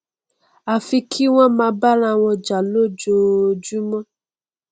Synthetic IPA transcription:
a˨fi˧kʰi˦w̃ɔ̃˦mã˧ba˦ɾ̃ã˧w̃ɔ̃˧d͡ʒa˨lo˦˨d͡ʒo˧d͡ʒu˦mɔ̃˦

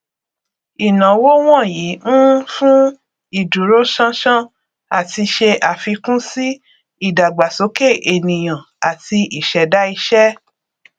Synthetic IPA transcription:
i˨nã˨˦wo˦w̃ɔ̃˦˨ji˨˦nũ˦fũ˦ | i˦˨d͡ʒu˨ɾo˦ʃã˦ʃã˦ | a˨ti˧ʃe˧ʔa˨fi˧kũ˦si˦ | i˦˨da˨ɡ͡ba˨so˨˦ke˦˨ʔe˨nĩ˨j̃ã˨ | a˨ti˧ʔi˦˨ʃɛ˨da˦i˧ʃɛ˦

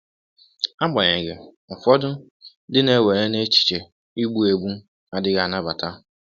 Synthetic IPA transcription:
a˦ɡ͡ba˨ɲe˨ɡe˨ | fɔ˦dʊ˦ | dɪ˦ne˦we˨ɾe˦ne˦t͡ʃi̥˨t͡ʃe˨ | i˦ɡ͡bu˦e˨ɡ͡bu˦ | a˨dɪ˦ɣa˨na˦ba˨ta˦

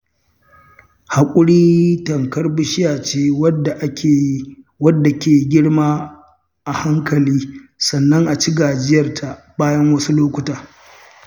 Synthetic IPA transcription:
ha˨kʷʼʊ˦ɽiː˦tɐ˨ŋkɐ˦rbʊ˦ʃɪ˦jaː˨t͡ʃeː˦wɐ˦a˨ʔʲ | wɐ˦dːa˨kʲeː˨ɡʲɪ˦ɽmaː˦ | ʔa˨ha˦ŋkʰɐ˨liː˦sɐ˨nːɐ˦ŋʔa˨t͡ʃɪ˦ɡaː˨d͡ʒɪ˦jɐ˨rtʰa˨ | baː˦jɐ˦ŋwɐ˦su˦loː˦kʷʊ˨taː˨

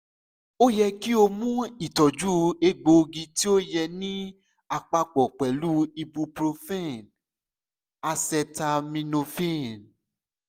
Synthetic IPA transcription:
o˦jɛ˧ki˦o˧mũ˦i˦˨tɔ˨d͡ʒu˦e˧ɡ͡bo˨˧ɡĩ˧ti˦o˦jɛ˧nĩ˦ | a˨k͡pa˧k͡pɔ˨k͡pɛ˨lu˦i˧bu˧pɾo˧fɛ̃˦˨n | a˧sɛ˧ta˧mĩ˧nõ˧fẽ˦˨n

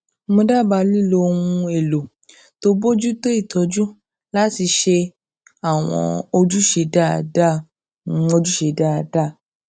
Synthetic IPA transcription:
mõ˧da˦˨ba˧li˦˨lo˧o˧wũ˧e˨lo˨ | to˦bo˦d͡ʒu˦to˦i˦˨tʰɔ˨˧˦d͡ʒu˦ | la˦ti˧ʃe˧ | a˦˨w̃ɔ̰̃˧o˧d͡ʒu˦ʃe˧˦da̰˦˨da˦˨˧ | o˧d͡ʒu˦ʃe˧˨da˦˨da˦˨

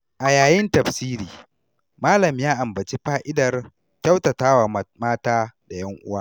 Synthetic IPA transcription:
ʔa˨jaː˨jɪ˦ntɐ˨ɸsiː˦ɾiː˨ | maː˦lɐ˨mjaː˦ʔa˨mbɐ˨t͡ʃi˦ɸaː˦ʔɪ˦dɐ˨r | kʲɐ˦wtɐ˨taː˦wa˨maː˦taː˦da˨jɐ˦ŋʔʊ̰˦waː˦

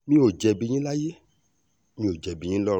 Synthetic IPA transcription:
mĩ˦o˨d͡ʒɛ˧bi˧ɲĩ˦la˦je˦ | mĩ˧˦o˨d͡ʒɛ˨bi˨˧jĩ˦lɔ˦˨˧

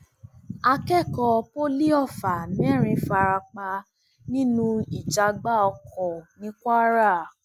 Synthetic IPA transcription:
a˧kɛ˦˨kɔ˧po˦li˦ɔ˦˨fa˨nĩ˨˦ɛ˦˨ɾ̃ĩ˧fa˧ɾa˧k͡pa˧ | nĩ˦nũ˧i˦˨d͡ʒa˧ɡ͡ba˦ɔ˧kʰɔ˨nĩ˨˦kʷa˦ɾa˦˨

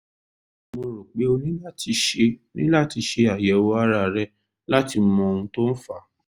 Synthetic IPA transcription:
mo˧ɾo˨k͡pe˨˦o˧nĩ˦la˦˨tʰi˧ʃe˧nḭ̃˦la˦˨ti˧ʃe˧a˨jɛ˨˦wo˧a˦ɾa˧˨ɾɛ˦ | la˦ti˧m̩˦mɔ̃˧ũ˧to˦n̩˦fa˧˦

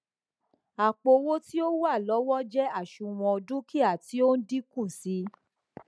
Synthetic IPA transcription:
a˨k͡po˧wo˦ti˦o˦wu˦a˦˨lɔ˨˦wɔ˦d͡ʒɛ˦a˦˨ʃũ˧˨w̃ɔ̃˧dũ˦ki˦a˦˨ti˨˦o˦n̩˦di˦kũ˦˨si˨˦

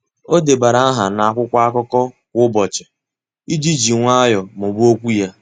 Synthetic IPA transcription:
o˦de˨ba˨ɾa˦a˦ɦa˨na˨a˦˨kʷʊ˦kʷa˦a˦kɔ˦kɔ˦ | kʷʊ˦bɔ˨t͡ʃɪ˨ | i˦d͡ʒi˦d͡ʒi˨ŋʷa˦jɔ˨mʊ˨bu˦o˦kʷu˦ja˦

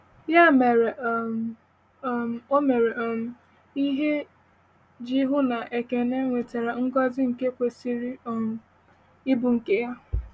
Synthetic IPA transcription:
ja˦˨me˨ɾ | o˦me˨ɾe˨ʔɔ˨m̩˦ | i˦ɦe˦ | d͡ʒi˦ɦʊ˦na˨ʔe˨ke˨ne˦ŋʷe˨te˨ɾa˨ŋ̩˦ɡɔ˦zɪ˦ŋ̩˨ke˦kʷe˨si˦ɾi˦ɔ˨ | ɪ˦bʊ˨ŋ̩˨ke˦ja˦

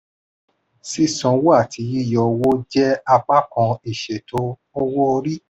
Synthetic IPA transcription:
si˦sɔ̃˨wo˦a˦˨tʰi˨˦ji˦˨jɔ˧wo˦d͡ʒɛ˦a˧k͡pa˦kɔ̃˧i˨ʃɛ˨to˨˦ | ɔ˦wɔ˦o˧ɾi˦

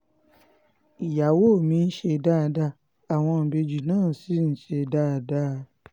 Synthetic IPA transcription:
i˨ja˨wo˦˨mĩ˧n̩˦ʃe˧˨da˦˧da˧ | a˨w̃ɔ̃˧m̩˨be˧d͡ʒu˨nãː˦˨si˨˦n̩˨˦ʃe˧˨da˦˨da˦˧˦

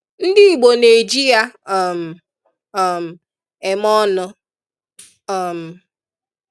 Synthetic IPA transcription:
n̩˦dɪ˦i˨ɡ͡bo˨ne˨d͡ʒi˦ja˦˨m̩˨ | m̩˨ | e˨mɔ˦nʊ˦ | a˨m̩˨

